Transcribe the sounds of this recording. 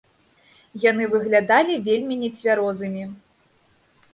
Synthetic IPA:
janɨvɨɣlʲad̪alʲivʲelʲmʲinʲɛt͡sʲvʲaɾɔzɨmʲi

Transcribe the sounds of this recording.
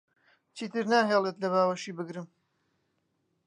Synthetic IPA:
t͡ʃʰiːt̪ʰɨɾnaːɦeːlˠet̪lɐβaːwɐʃiːbɨɡɾɨm

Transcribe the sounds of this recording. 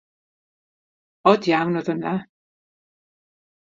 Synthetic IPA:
ɔdjawnɔðəna

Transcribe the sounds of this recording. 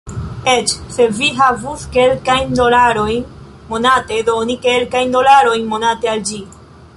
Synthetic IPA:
et͡ʃse̞viɦavuske̞lkajnd̪olaɾo̞jn | mo̞nate̞d̪onike̞lkajnd̪o̞laɾo̞jnmo̞nate̞ald͡ʒi

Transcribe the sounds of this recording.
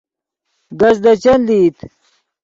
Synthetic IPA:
ɡɐzd̪ɐt͡ɕɐnliːt̪

